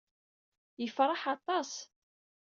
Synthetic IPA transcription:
jəfɾˤɑħɑt̪ˤɑs

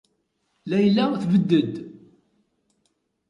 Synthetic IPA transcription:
læjlːæθvəd̪ːəd̪

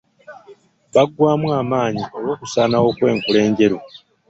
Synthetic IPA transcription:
βaɡwaːmwaːmaːɲiʔo̞lwo̞ːkusaːnawo̞kwe̞ːŋkule̞ːɲɟe̞ɾu

